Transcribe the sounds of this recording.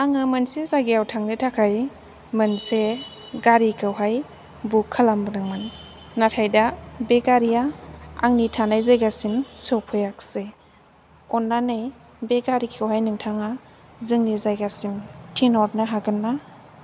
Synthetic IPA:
aŋɯmɯnsezajɡeawtʰaŋnɯtʰakʰaj | mɯnse | ɡaɾikʰɯwɦaj | bukʰːalambnɯŋmɯnː | atʰajdabeɡaɾijaa̰ŋnitʰanajzajɡasimsɔpʰɔjakse | ɔnːanaj | beɡaɾikʰɯwɦajnɯŋtʰaŋa | zɯŋnizajɡasimtʰinɔɾnaɦaɡɯnːa

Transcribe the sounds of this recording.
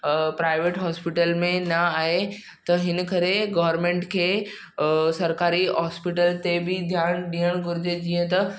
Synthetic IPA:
pɾaːɪʋeːʈɦɔːspɪʈəlmẽnɐaːɦe | t̪ɐɦɪnə̆kɐɾeɡɐʋəɾmẽːɳʈkʰeː | sɐɾkaːɾiɦɔːspiʈəlt̪ebɪd̪ʱjaːnɗiːəɽ̃ɡʊɾɪd͡ʑed͡ʑiːə̃t̪ɐ

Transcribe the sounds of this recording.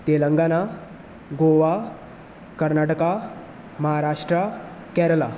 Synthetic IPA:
t̪eləŋɡana | ɡoʋa | kəɾnaʈəka | məɦaɾaʂʈɾakɛɾəla

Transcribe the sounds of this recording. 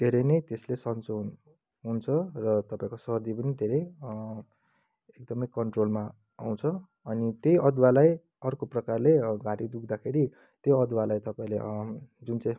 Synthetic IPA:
d̪ʱeɾenʌjt̪eslesʌnt͡son | ɦunt͡sʰʌrʌt̪ʌpãĩkosʌɦʌd̪ipʌnid̪ʱeɾej | ekd̪ʌmʌjkʌɳʈrolma̰ː | w̃t͡sʰʌː | nit̪jejʌd̪walaj | ʌrkoprʌkarleɡaɽid̪ukʰd̪akʰeɾi | t̪joʌd̪walajt̪ʌpãĩled͡zunt͡sãj̃

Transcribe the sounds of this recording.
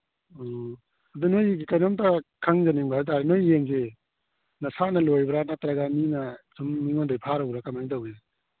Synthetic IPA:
ɔ | ad̪ɯnojɡikajnomtakʰaŋzaniŋbaɾt̬aɾinojːeŋze | nɐsanɐlojbɾanat̪ɾaɡaminɐsumːiŋondajpʰaɾawɾakamantawja

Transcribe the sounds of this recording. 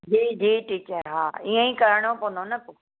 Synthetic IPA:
d͡ʑiːd͡ʑiːʈiːt͡ɕəɾɦaːiːẽĩkɐɾəɽ̃opõnd̪onɐpoː

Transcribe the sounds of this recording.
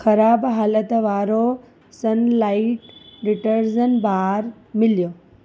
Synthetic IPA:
xɐɾaːbɦaːlət̪ʋaːɾo | sɐnlaːɪiʈɖɪʈəɾzənbaːɾ | mɪljoː

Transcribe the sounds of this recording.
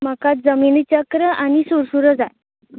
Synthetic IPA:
makat̪̚d͡zəminit͡ɕəkɾəʔañisuɾsuɾəd͡zaj

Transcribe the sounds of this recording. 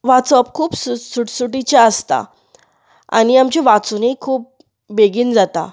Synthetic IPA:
ʋat͡sɔp̚kʰuːpsusuʈsuʈit͡ɕaəst̪a̰ | a̰ñiamt͡ɕeʋat͡sunikʰuːp̚ | beɡiːnd͡zat̪a̰

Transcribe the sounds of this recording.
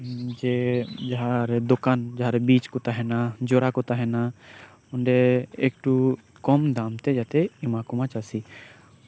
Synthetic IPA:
d͡ʒɛd͡ʒaɦaɾɛd̪ɔkand͡ʒaɦaɾɛbit͡ʃkɔt̪aɦɛnad͡ʒɔɾakɔt̪aɦɛna | ɔɳɖɛek̚ʈu | kɔmd̪amt̪ɛd͡ʒat̪ɛimakɔmat͡ʃasi

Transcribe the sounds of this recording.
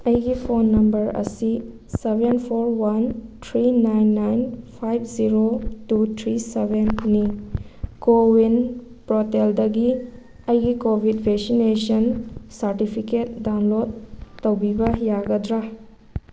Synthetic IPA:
ɐjɡipʰonːɐmbɐɾɐ̰si | sebʱenpʰoɾwantʰɾinajnːajnpʰajbʰziɾotut̪ʰɾisebenːi | kowin | pɾɔteldɐɡi | ɐjɡikobʱidbʱeksinesɐnsɐɾtipʰiket̚dawnlod̚ːɐwbibɐjaɡɐdɾa

